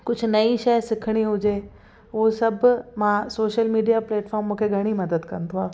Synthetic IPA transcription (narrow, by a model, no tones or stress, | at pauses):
kʊd͡ʑʱʊ̆nɐiʃɐjsɪkʰɪɽ̃iɦʊd͡ʑe | osɐbʱmãsoːʃəlmiːɖijapleːʈfɔːɾmːũːkʰeɡʱɐɽ̃imɐd̪əd̪kɐ̰nt̪ʰoaː